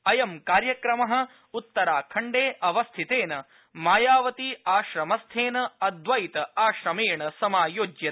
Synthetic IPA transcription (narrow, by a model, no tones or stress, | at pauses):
ɐjɐmkaːɾjɐkɾɐmɐɦɐ̆ | ut̪ːɐɾaːkʰɐɳɖeːʔɐʋɐst̪ʰit̪eːnɐ | maːjaːʋɐt̪iaːʃɾɐmɐst̪ʰeːnɐɐd̪ʋɐjt̪ɐaːʃɾɐmeːɳɐsɐmaːjoːd͡ʒjɐ